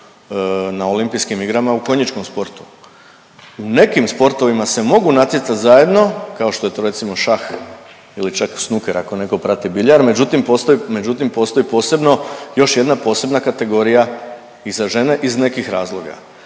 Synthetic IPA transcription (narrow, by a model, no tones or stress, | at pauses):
nao̞limpijskimiɡɾamauko̞ɲit͡ʃko̞mspo̞ɾt̪u̥ | une̞kimspo̞ɾt̪o̞ʋimase̞mo̞ɡunat̪jet̪sat̪zaje̞d̪no̞kao̞ʃt̪o̞je̞t̪o̞ːɾe̞t̪simo̞ʃax | ilit͡ʃaksnukeɾako̞ne̞ko̞pɾat̪ibiʎaɾme̞d͡ʑut̪impo̞st̪oime̞d͡ʑut̪impo̞st̪o̞ipo̞ːse̞bno̞jo̞ʃje̞d̪napo̞ːse̞bnakat̪e̞ɡo̞ɾija | izaʒe̞ne̞ʔizne̞kixɾaːzlˠo̞ɡa̰